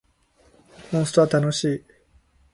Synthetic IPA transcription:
mõst̪oβat̪ano̞ɕiː

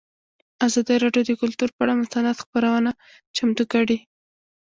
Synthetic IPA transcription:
azɑd̪əɾɑɖjod̪əkʊlt̪uɾpəaɽamʊst̪anad̪xpəɾawəna | t͡ʃamt̪ukəɽi

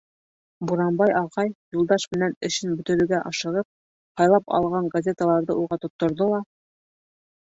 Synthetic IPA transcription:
buɾɑmbɑjʔɑʁɑjjulˠd̪ɑʃmɘ̆nænɘ̆ʃɘnbɵ̆t̪ɘ̆ɾɵ̆ɡæʔɑʃɤ̆ʁɤp̚ | hɑjlˠɑpɑ̰lˠʁɑɴɡɐzʲet̪əlˠɑɾðɤʔuʁɑt̪ŏt̪ːŏɾðolˠɑ

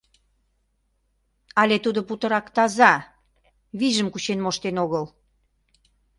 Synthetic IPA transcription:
ɑlʲet̪ud̪oput̪ə̆ɾɑkt̪ɑzɑ | βiʒəmkut͡ɕenmoʃt̪enoɣəl

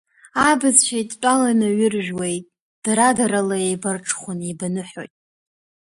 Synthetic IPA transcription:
abazʃajtʼt͡pʷʼalanɨɥʊrʒᶣwejʼ | d̥aɾadaɾalaejbarʈ͡ʂʰʼχʷʊnebanɨħᶣo̰jtʼ

